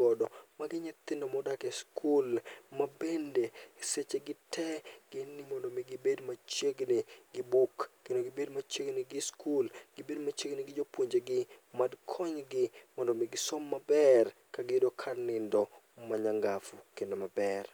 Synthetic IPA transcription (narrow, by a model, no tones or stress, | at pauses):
ɔdɔmaɡɪɲɪt̪ɪndomɔdakɛskʰulmabendeset͡ʃeɡɪtʰɛɡ̥ɪnːɪmɔndɔmɪɡɪbedmat͡ʃjeɡnɪɡɪbukːendoɡɪbedmat͡ʃjeɡnɪɡɪskulɡ̥ɪbedmat͡ʃeɡnɪɡɪd͡ʒopwoɲd͡ʒeɡɪmadkʰɔɲɡɪmɔndɔmɪɡɪsɔmːabɛr | kaɡedokʰarnɪndɔ | maɲaŋɡafukendomabɛr